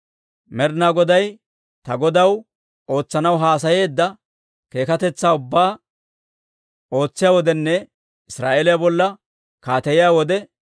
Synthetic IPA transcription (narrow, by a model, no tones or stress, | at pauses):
mɛɾnaːɡɔd̪ɐj | t̪ɐɡɔd̪ɐw | o̞ːt͡sːɐnɐwɦaːs̬ɐje̞ːd̪ːɐ | ke̞ːkɐt̪ɛt͡sːaːʊbːaː | o̞ːt͡sːɪjaːwɔd̪ɛnːɛ | ɪsɾa̰ːʔeːlɪjabɔlːɐ | kaːt̪ɐjɪjaːwɔd̪ɛ